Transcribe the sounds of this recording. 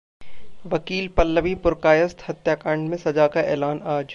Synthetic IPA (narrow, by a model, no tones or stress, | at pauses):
ʋɐkiːlpɐlːəʋipʊɾkaːjəst̪hɐt̪jaːkãːɳɖmẽsɐd͡ʒaːkaʔɛ̰ːlaːnaːd͡ʒ